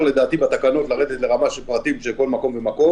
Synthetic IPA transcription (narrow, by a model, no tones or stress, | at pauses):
le̞d̪aːt̪ibat̪akano̞t̪laʁed̪et̪le̞ʁamaʃelpʁat̪imʃelko̞lmako̞mvemako̞